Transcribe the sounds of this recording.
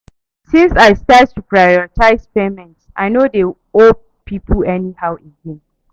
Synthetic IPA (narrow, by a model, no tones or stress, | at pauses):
sĩnsajstat̚tupɹajɔɹitʰaɪspemɛ̃ntsʔa̰jnode | o | pʰipʰəɛnihawĩndɛ̃m